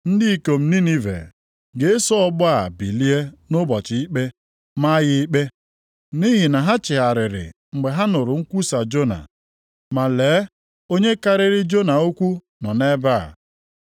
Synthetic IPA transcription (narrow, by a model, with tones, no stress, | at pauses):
n̩˦dɪ˦i˦ko˨m̩˦ni˦ni˦vḛ˨ | ɡe˨˦e˦sɔ˦bʊ˦a˦˨bi˨li˦e˦nʊ˦bɔ˨t͡ʃɪ˨i˦k͡pe˦ | ma˦jɪ˦i˦k͡pe˦ | ni˦ɦi˨na˨ɦa˦t͡ʃɪ˨ɦa˨ɾɪ˨ɾɪ̰˨ | ŋ͡m̩˨ɡ͡be˨ɦa˦nʊ˨ɾʊ˨ŋ̩˦kʷu˦sa˨d͡ʒo˦na̰˨ | ma˨leː˨˦ | o˦ɲe˦ka˦ɾɪ˦ɾɪ˦d͡ʒo˦na˨o˦kʷu˦ | nɔ˨ne˦ba˦˨